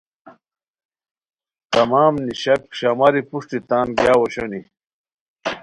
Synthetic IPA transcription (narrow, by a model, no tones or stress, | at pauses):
t̪ɐmaːmniɕɐkɕɐmɐɾipuʂʈit̪aːnɡjaːwoɕɐni